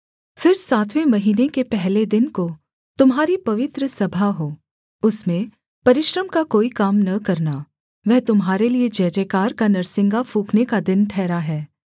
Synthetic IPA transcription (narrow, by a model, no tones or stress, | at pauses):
fɪɾsaːt̪ʰʋẽmɐɦiːnekepɛɦled̪ɪnko | t̪ʊmɦaːɾipɐʋɪt̪ɾəsɐbʱaɦoː | ʊsmẽ | pɐɾɪʃɾəmkakoːikaːmnɐkɐɾna | ʋɛɦt̪ʊmɦaːɾelied͡ʒɛːd͡ʒɛːkaːɾkanɐɾsɪ̃ŋɡafʰuːkʰnekad̪ɪnʈʰɛːɾaɦɛː